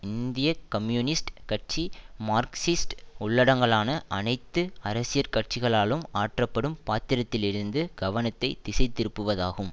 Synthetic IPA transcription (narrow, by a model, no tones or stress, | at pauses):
ɪnd̪ɪjɐkɐmjuːnɪsʈkɐʈ̚t͡ʃimaːɾksɪsʈʊɭːɐɽɐŋɡɐɭaːnɐʔɐnɐɪt̪ːɯɐɾɐsɪjɐɾkɐʈ̚t͡ʃɪɣɐɭaːlɯmaːʈrɐpːɐɽɯmpaːt̪ɪɾɐt̪ːɪlɪɾɯnd̪ɯɡ̥ɐʋɐnɐt̪ːɐɪt̪ːɪsɐɪt̪ːɪɾɯpːɯʋɐðaːɣɯm